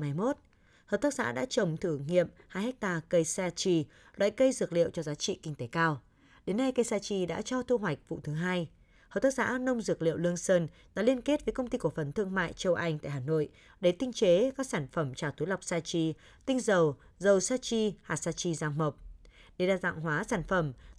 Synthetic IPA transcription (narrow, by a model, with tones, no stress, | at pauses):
ma˨˦jmo˦˥t̚ | həː˨˩p̚t̪ʰaː˦˥k̚za̰ː˧˥ɗa̰ː˧˥t͡ɕə˨˩wŋ͡mt̪ʰɨ˧˩ŋḭ˧˨əmhaː˧jhɛ˦˥k̚t̪aː˧kə˧jsaː˧t͡ɕi˧ | lwa̰ː˧˨jkə˧jzɨ˨˩ək̚lḭ˧˨əwt͡ɕɔ˧zaː˨˦t͡ɕḭ˧˨kï˧ŋ̟t̪e˨˦kaː˧w | ɗe˨˦nːa˧jkə˧jsaː˧t͡ɕi˧ɗa̰ː˧˥t͡ɕɔ˧t̪ʰu˧ɦwa˨˩jk̟̚vṵ˧˨t̪ʰɨ˨˦ɦaː˧j | həː˨˩p̚t̪aː˦˥k̚za̰ː˧˥nə˧wŋ͡mzɨ˨˩ək̚lḭ˧˨əwlɨ˧əŋsəː˧n | ɗa̰ː˧˥li˧ənke˦˥t̚vəː˨˦jkə˧wŋ͡mt̪i˧ku˧˩ə˩fə˨˩nt̪ʰɨ˧əŋma̰ː˧˨jt͡ɕə˧wʔa˧jŋ̟t̪a̰ː˧˨haː˨˩no̰˧˨j | ɗe˧˩t̪ï˧ŋ̟t͡ɕe˨˦kaː˦˥k̚saː˧˩nfə˧˩mt͡ɕaː˧˩wt̪ʰu˨˦la˨˩wk͡p̚saː˧t͡ɕi˧ | t̪ï˧ŋ̟zə˨˩w | zə˨˩wsaː˧t͡ɕi˧haː˨˩saː˧t͡ɕi˧zaː˧ŋmə˨˩wk͡p̚ɗe˧˩ɗaː˧˩za̰˧˨ŋɦwaː˨˦saː˧˩nfə˧˩m